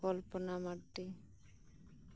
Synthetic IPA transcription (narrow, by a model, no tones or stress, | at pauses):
ɔlpɔnamaʈːi